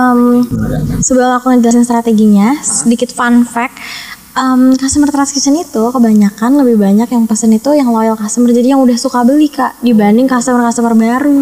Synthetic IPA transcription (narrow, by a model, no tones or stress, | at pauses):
əm | səbuahlakuŋəd͡ʒəlasast̪ɾat̪eɡiɲasədikɪt̪fanfɛk̚ | əmkast̪əmərt̪ɾaskisənit̪ukəbaɲakanləbɪhbaɲakjaŋpəsənit̪ujaŋlojalkast̪əmərd͡ʒadijaŋudahsukabəlikaʔdibanɪŋkast̪əmərkast̪əmərbaɾu